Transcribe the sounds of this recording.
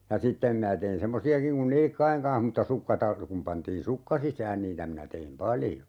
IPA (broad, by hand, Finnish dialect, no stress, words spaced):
jɑ sitːem minæ tein semːosiɑkiŋ kun nilĭkːɑiŋ kɑ̃ːh mutːɑ sukːɑ tɑr kum pɑntiːn sukːɑ sisæːn niːtæ minæ teim pɑljo